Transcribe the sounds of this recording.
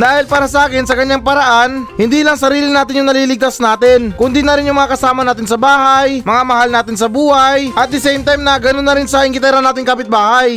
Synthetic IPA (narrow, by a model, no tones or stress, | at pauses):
d̪aːhɪlpaːɾɐsɐʔaːkɪnsɐkɐɲːaŋpɐɾɐʔanhɪnd̪iːlɐŋsɐɾiːlɪnaːt̪ɪnjʊŋnɐliːlɪɡ̚t̪ɐsnaːt̪ɪnkʊnd̪inɐɾɪnjʊŋmɐŋakɐsaːmɐnaːt̪̬ɪnsɐbaːhɐjmɐŋamɐɦalnaːt̪ɪnsɐbuːhajʔɐt̪̚d̪ɪsɛjmt̪ajmnɐɡɐnonːɐɾɪnsɐʔɪŋkɪt̪ɛɾɐnaːt̪ɪŋkapɪt̪̚baːhaj